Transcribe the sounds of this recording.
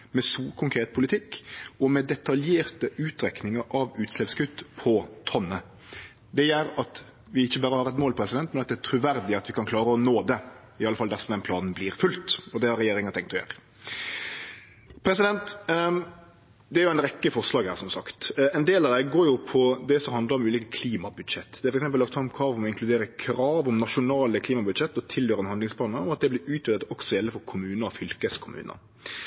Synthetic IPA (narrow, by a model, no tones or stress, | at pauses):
mɛsuːkʰʊŋkʰɾeːt̪̚pʰʊlɪt̪ʰɪkːɔmɛd̪ɛt̪ɑljeːɾt̪əʉːt̪ɾɛknɪŋəɾʔɑʋʉːt̪slɛpskʉt̪ːpʰɔt̪ʰɔnːə | d̪ɛjæːɾɑt̪ | ʋɪɪçːəbɑːɾəhɑɾɛt̪moːlpʰɾɛsɪd̪ɛnt̪mɛnɑt̪̚d̪ɛæt̪ʰɾʉʋæɾd̪ɪɑt̪ʋɪkɑnkʰlɑːɾəɔnoːd̪ɛ | ɪɑləfɑld̪æɾsɔmd̪ɛnpʰlɑːnn̩bliːɾfʉlt̪ɔd̪ɛhɑɾɛjeːɾɪŋɑt̪ʰɛŋkt̪ɔjø̰ːɾə | pʰɾɛsɪd̪ɛnt̪ | d̪ɛæɾjʊæɪnɾɛkːəfɔʁʂlɑːɡhæːɾsɔmsɑkt̪ɛnd̪eːlɑʋd̪ɛɡoːɾjʊpʰɔd̪ɛsɔmhɑnd̪ləɾɔmʉːliːkəkʰliːmɑbʉd̪ʂɛt̪ːd̪ɛæɾfɔɾɛksɛmplɑkt̪fɑmkʰɑːʋɔmɔɪŋklʉd̪eːɾəkʰɾɑːʋɔmnɑʂʊnɑːləkʰliːmɑbʉd̪ʂɛt̪ːɔt̪ʰɪljøːɾəɛnhɑnd̪lɪŋspʰɑːnɑɔmɑt̪̚d̪ɛblɪʉːt̪ʰːd̪ət̪ɔksɔjɛlːəfɔɾkʰʊmʉːnəɔfʏlkəskʰʊmʉ̰ːnə̰